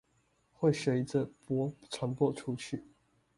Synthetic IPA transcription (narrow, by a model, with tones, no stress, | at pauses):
xwe˥˨ɪɕɥe˨˧˥ɪd͡zə˨pwɔ˦˥t͡sʰa˧˥˦ŋpwɔ˥˨ʈ͡ʂʰu˦t͡ɕʰy˥˩